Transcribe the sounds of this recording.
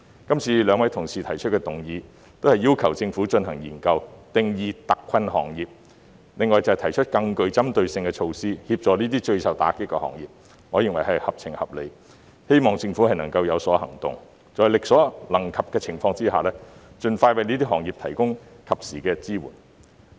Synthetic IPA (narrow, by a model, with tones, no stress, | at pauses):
kɐ˥mt͡sʰiː˧lœː˨˧ŋwɐ˨˥jt̪ʰʊ˨˩ŋsʰiː˨t̪ʰɐ˨˩jt͡ʃʰɵ˥t̚kɛː˧t̪ʊ˨ŋjiː˨˧ | t̪o˥whɐ˨jːiː˥wkʰɐ˨˩wt͡sɪ˧ŋfuː˨˥t͡ʃɵ˧nhɐ˨˩ŋjḭː˨˩nkɐ˧wt̪ɪ˨ŋjiː˨˧t̪ɐ˨kʰːɐ˧nɦɔ̰ː˨˩ŋjiː˨p̚ | lɪ˨ŋːɔː˨˩jt͡sɐ˨˧hɛ˨˩t̪ʰɐ˨˩jt͡ʃʰɵ˥t̚kɐ˧ŋkɵ˧ɥt͡sɐ˥mt̪ɵ˧ɥsɪ˧ŋkɛː˧t͡ʃʰo˧wsiː˥hiː˧p̚t͡ʃɔː˨˧niː˥t̪iː˥t͡ʃɵ˧ɥsɐ˨wt̪a̰ː˨˥kɪ˥kːɔ̰ː˧hɔ̰˨˩ŋjḭː˨p̚ | ŋɔː˨˧˥jɪ˨ŋwɐ˨˩jɦɐ˨jhɐ˨p̚t͡sʰɪ˨˩ŋhɐ̰˨p̚le˨˧j | he˥jmɔː˨ŋt͡sɪ˧ŋfuː˨˥hɐ˨˩jnɐ̰˨˩ŋkɐ˧wjɐ˨˧wsɔː˨˥hɐ̰˨˩ŋt̪ʊ̰˨ŋ | t͡sɔː˨jlɪ˨k̚sɔː˨˥lɐ˨˩ŋkʰɐ˨p̚kɛː˧t͡sʰɪ˨˩ŋfɔː˧ŋt͡siː˥ɦa̰ː˨lɛː˥t͡ʃɵ˨˧nfaː˧jwɐ˨˧jniː˥t̪̬iː˥ɦɔː˨˩ŋjiː˨p̚t̪ʰɐ˨˩jkʊ˥ŋkʰɐ˨p̚siː˨˩kɛː˧t͡siː˥wṵː˨˩n